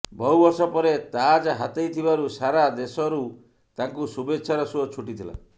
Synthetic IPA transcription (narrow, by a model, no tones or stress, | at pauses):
bɔɦubɔɾsɔpɔɾet̪ad͡ʒɦat̪ejt̪ʰibaɾusaɾad̪esɔɾu | t̪aŋkusubetːʃʰaɾɔsuɔt͡ʃʰuʈit̪ʰila̰